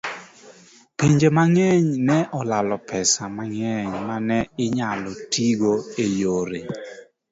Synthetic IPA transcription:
piɲd͡ʒemaŋɛɲnɛʔɔlalɔpʰɛsamaŋɛɲmanɛɪɲalɔtʰiɡoejoɾe

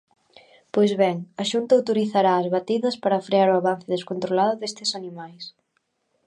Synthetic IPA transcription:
pojzβɛŋɐʃunt̪ɐowt̪oɾiθaɾaːzβat̪iðɐspaɾɐfɾeaɾoaβan̟θɪðeskont̪ɾolaðʊðest̪ɪsanimajs

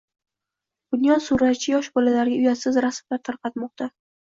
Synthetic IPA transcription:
d̪̥ʊnjɒsuɾat̪̚t͡ʃʰɪjɒʃbɒlalaɾɡʲaʊjasɪzɾasmlaɾt̪ʰaɾqɑt̪mɒq̚t̪ʰa

